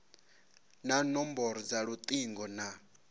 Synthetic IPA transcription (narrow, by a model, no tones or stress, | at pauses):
nanɔmbɔɾɔd͡zaɺut̪ʼiŋɡɔna